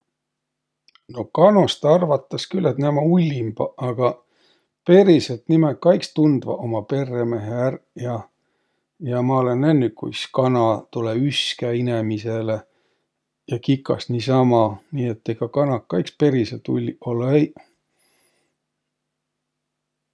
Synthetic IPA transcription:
no̞kɑno̞st̪ɑrvɑt̪ːˑɑskylːet̪næmɑulʲːimb̥ɑɑɡ̥ɑ | pe̞ɾiselt̪nimekːɑjkst̪und̪̥vɑ̰ʔo̞mɑpe̞rːeme̞ɦeerjɑ | jɑmɑole̞nenːykṵjskɑnɑt̪uleyskæinemise̞le | jɑkikːˑɑ̰sniːsɑmɑniːe̞t̪ːeɡ̥ɑkɑnɑkːɑjkspe̞ɾiset̪ṵlʲːiolej

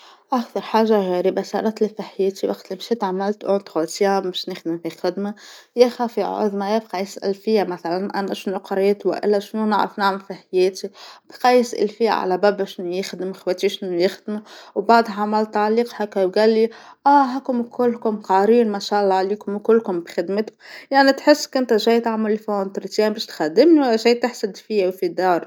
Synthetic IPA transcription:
ʔakt̪ɑɾˤħaːʒːaɣeːɾibasɑ̰ɾˤɑt̪lifaħjeːt̪iwa̰ɡt̪lɪmʃit̪ʕamalt̪ʔʊt̪ɣot̪jammɪʃnɪxd̪ɪmfixɪd̪majexaːfiʕʊ̰ðmajab̚qajɪsʔa̰lfɪjamaθalanʔa̰naʃɪnuqɑɾˤeːt̪wa̰ʔɪ̰lːaʃnuna̰ʕɾɑ̰fnaʕmɪlfaħjeːt̪ib̥qɑjɪsʔa̰lfɪjːa̰ʕa̰læbæbæʃɪnːujɪxd̪ɪmxwæt̪iʃɪnːujɪxd̪muwbɑʕd̪ˤʕamalt̪aʕliːqhakæwɡæːlːiʔæːɦækʊmkʊlːkʊmqɑɾiːnmaʃæʔlˤːɑʕliːkʊmkʊlːkʊmbxɪd̪mɪt̪ʊjaʕnit̪ħɪsːkʊnt̪æʒæːjt̪aʕmalːifnt̪ɾit̪jɛːnbæʃt̪xad̪ːɪmniwʒæːjt̪ɪħsad̪fiwfid̪ɑːɾˤ

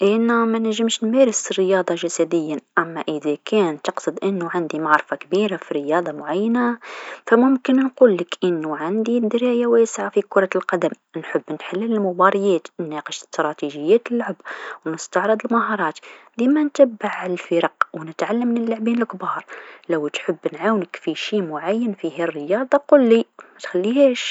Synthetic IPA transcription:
ʔənæmænəʒːəmʃnmæɾəsərːəjɑd̪ˤɑʒæsæd̪əjːaʔæmːæʔəðækʰænt̪ɑqsˤɨd̪ʔənːuʕand̪imaʕɾˤfakbiɾafiɾəjɑd̪ˤɑmʊʕajːənafæmʊmkənnqulːəkʔənːuʕand̪id̪ɾæjawæsʕafikʊɾˤɑlqɑd̪əm | nħəbːnħalːələlmʊbɑɾˤjæt̪nːæqəʃst̪ɾˤɑt̪iʒəjːæt̪əlːʊʕəbwnəst̪ɑʕɾˤəd̪ˤəlmɑɦɑɾˤɑt̪d̪imænt̪æbːaʕʕaləlfəɾɑqwnət̪ʕalːəmːnəlːoʕbinəlkbɑːɾˤləwt̪ħəbːnʕawnəkfiʃimʊʕajːənfihærːəjɑd̪ˤɑqʊlːimæt̪xælːihæʃ

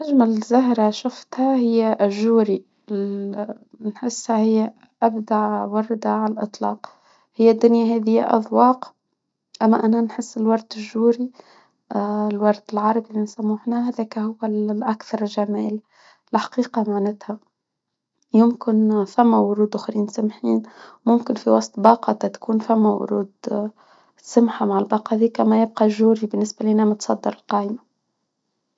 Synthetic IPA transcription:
aʒmalzaɦɾaʃʊft̪hahɪjːaʔʒːuːɾi | nħɪsːhahɪjːa | ʔabd̪aʕwɑrˤːɑd̪aʕalalʔɨt̪ˤlɑ̰ːq | hɪjːad̪ːʊnjahaːðɪjːa̰ʔɑ̰ðˤwɑːq | ʔamːaʔananħɪsːɪlwɑɾˤd̪ɪʒuːɾi | lwɑɾˤd̪ɪlʕɑɾˤɑbimɪnsamːuħnahaðeːkahʊwːalʔakθɑɾˤʒamaːl | lħḁqiːqɑmaʕnɪt̪ha | jʊmkɪnfamːawʊɾuːd̪ʔʊxɾiːnsamħiːnmʊmkɪnfiwɑsˤt̪ˤbɑːqɑt̪ɑt̪ḁkuːnfamːawʊ̰ɾṵːd̪ | sʊmħamaʕɪlbɑːqɑðiːkːamajɪb̚qɑʒːuːɾibɪnːɪsbaliːnamɪt̪sˤɑd̪ːɑɾɪlqɑːjma

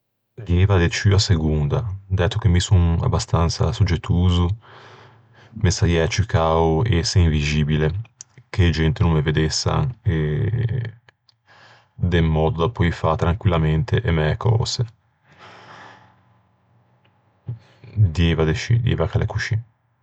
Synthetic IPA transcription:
d̪jɛvad̪et͡ʃyaseɡund̪ad̪ɛt̪ːok̟emːisuŋa̰bːast̪ant̪sa̰sud͡ʒːet̪ʰːuːzu | mesajɛat͡ʃikaːueɛseiɱviziːbileked͡ʒɛnt̪enũmːeved̪esːa̰e | d̪emːɔːd̪od̪apːɔifat̪ːɾaŋkwilːament̪eʔemɛkʰɔ̰ːz̥e | d̪jevad̪et͡ʃḭd̪iḛvakalʔḛkut͡ʃi

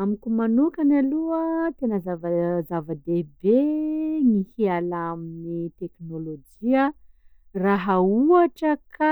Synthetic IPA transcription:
amikʲumanukanaluət̪enəzavazavəd̪ebenihialaminit̪eknolod͡ʒiə | raɦauaʈ͡ʂəkʰa

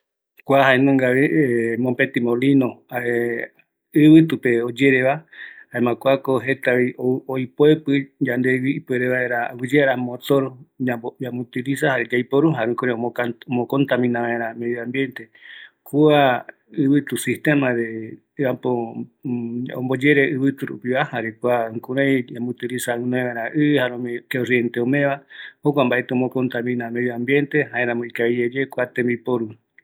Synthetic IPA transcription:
kʷaɦaenõŋɡaβeemõmpet̪imolinõae | ɨβɨt̪upeod͡ʒeɾeβaaemãkʷakoɦet̪aβiojpoepɨd͡ʒand̪ewiːpeɾeβaeɾawɨd͡ʒeaɾamot͡soɾuaamũt̪ilisahaɾed͡ʒajpoɾuɦaɾũkoɾeaomõkont̪amĩnãβãeɾãmeðjoãmbjent̪e | kua | ɨβɨt̪usiht̪emãðe | apo | õ̰mbod͡ʒeɾeʔɨβɨt̪uɾṵpiβahaɾekuaŋkuɾajamũt̪iɾisaunõẽβãẽɾãʔɨhaɾomkeorient̪eomẽβahokʷambaʔet̪eomokont̪amĩnãmeðjoambjent̪ehaẽɾãmoikaied͡ʒekwat̪embipoɾu

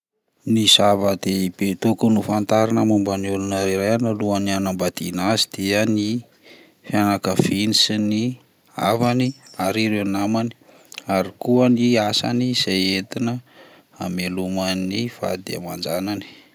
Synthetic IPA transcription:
nisavəd̪ebet̪okunufant̪aɾinəmumbaniulunəɾiɾajanəluənianambad̪inazid̪̥eəni | fianakəfinisini | a̰vaniaɾiɾewnamani̥ | aɾikuəniasa̰nizajet̪inə | amelumanifa̰d̪ḛa̰mand͡ʒanani̥

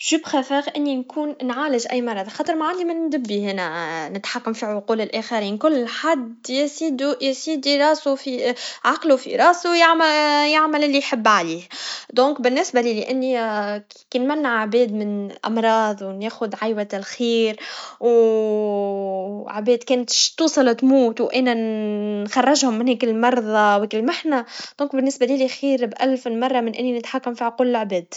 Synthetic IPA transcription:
ʒuːbxæfæːɣʔɪnːinkuːnnʕaːlɪʒʔæ̰jːmɑrˤɑd̪ˤxɑːt̪ˤəɾˤmaʕand̪imɪnnd̪ɪbːihɪnænɪt̪ħakːamfiːʕʊquːlɪlʔæxæɾiːnkʊlːħad̪jɪsiːd̪ujsiːd̪iɾˤɑːsufiʕɑqlufḭɾˤɑːsujaʕmjaʕmælɪlːiħɪbːʕaliːhd̪õːkbɪnːɪsbælilɪʔanːi | kinmanːaʕʕbeːd̪mɪnʔɑ̰mɾˤɑːd̪ˤwneːxʊd̪ʕajwalxiːɾw | ʕbeːd̪keːnt̪ʃt̪ːuːsˤɨlt̪muːt̪wʔeːnanxɑrˤːɑʒhʊmːɪnheːkɪlmɑɾˤðˤɑwɪkɪlːmaħnad̪̥õːŋkbɪnːɪsbalilixiːɾbʔalfɪnmɑrˤːɑmɪnʔɪnːinɪt̪ħakːamfiːhkʊlːʕbeːd̪̥

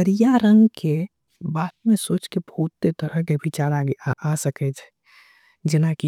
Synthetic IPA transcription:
əɾijaɾə̃ŋɡke | baːt̪mẽsoːt͡ʃkebəut̪ːet̪əɾəɦkebʱit͡ʃaːɾaɡasəkɛt͡ʃʰɛ̥ | d͡ʒɪnaki

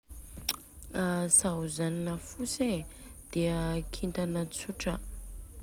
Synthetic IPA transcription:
asaɦuzaninəfused̪̥eəkʰint̪anət͡suʈ͡ʂə

